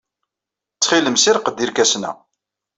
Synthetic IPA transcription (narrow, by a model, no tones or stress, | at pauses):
t͡sːχiləmsiɾqəd̪ːiɾkæsnæ̰